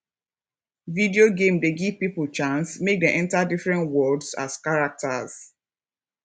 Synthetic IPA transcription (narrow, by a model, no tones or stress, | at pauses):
vidioɡẽmdeɡiv̥pipul̩t͡ʃãnsmek̚dẽʔɛ̃ntadifɹɛ̃ntwɔdsa̰skaɹak̚ta̰z̥